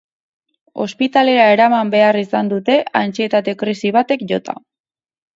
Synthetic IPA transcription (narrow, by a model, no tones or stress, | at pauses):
o̞̰spit̪ale̞ɾae̞ɾamambe̞arisand̪ut̪e̞ant͡sie̞t̪at̪e̞kɾisiβ̞at̪e̞kʝo̞t̪a̰